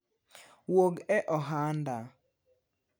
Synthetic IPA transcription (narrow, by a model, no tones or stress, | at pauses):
woɡɛʔɔɦanda